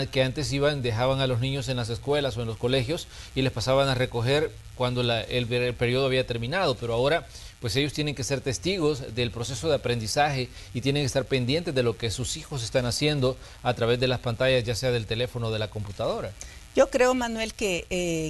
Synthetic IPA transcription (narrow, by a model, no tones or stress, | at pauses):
ke̞ant̪e̞s̬iβand̪e̞xaβaŋalo̞znĩɲo̞s̬e̞nlas̬eskwe̞laso̞e̞nlo̞sko̞le̞xjo̞sile̞spasaβaŋare̞ko̞xe̞ɾ | kwand̪olaellpe̞ɾjo̞ðoaβiat̪e̞ɾmĩnaðo̞pe̞ɾoao̞ɾa | pwe̞se̞ʝost̪je̞ne̞ŋke̞se̞ɾt̪e̞st̪iɣo̞zd̪e̞ːlpɾo̞se̞so̞ðe̞apɾe̞nd̪isaxe̞ | it̪je̞neŋkest̪aɾpe̞nd̪je̞nt̪e̞zðe̞lo̞ke̞susixo̞s̬e̞st̪anasje̞nd̪o̞ | at̪ɾaβe̞zðe̞laspant̪aʝazʝase̞aðe̞lt̪e̞le̞fo̞noðe̞lako̞mput̪að̞o̞ɾajo̞kɾe̞omanwe̞lkee